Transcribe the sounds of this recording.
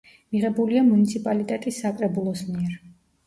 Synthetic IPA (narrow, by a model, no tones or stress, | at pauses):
miʁɛbuliamunit̪sʰipʼalit̪ʼɛt̪ʼisːakʼɾɛbulˠɔsmiɛɾ